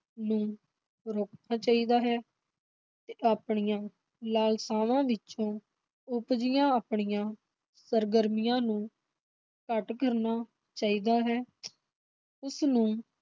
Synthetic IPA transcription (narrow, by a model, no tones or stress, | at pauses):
nũː | ɾoːknaːt͡ʃaːiːd̪aːɦɛː | t̪eːʔaːpɳɪjãː | laːlsaːʋãːʋɪt͡ʃõː | ʊpd͡ʒɪjãːaːpɳɪjãː | səɾɡəɾmɪjãːnũː | kəʈkəɾnaː | t͡ʃaːiːd̪aːɦɛː | ʊsnũː